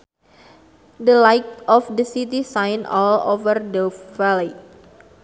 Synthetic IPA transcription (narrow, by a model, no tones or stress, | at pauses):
dəlajt̪̚ʔɔfdəsit̪isãjnɔlo̰vərdəvali